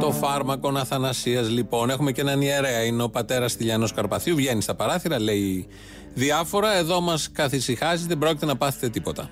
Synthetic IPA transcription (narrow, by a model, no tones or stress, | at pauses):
t̪o̞fɐɾmɐko̞nɐθɐnɐsiɐzlipo̞ne̞xume̞ce̞nɐnieɾeɐineopɐt̪e̞ɾɐsθiʎɐno̞skɐɾpɐθuvʝe̞nist̪ɐpɐɾɐθiɾɐle̞i | ðiɐfo̞ɾɐe̞ðo̞mɐskɐθisixɐziðebɾo̞cit̪e̞nɐpɐθet̪e̞t̪ipo̞t̪ɐ̰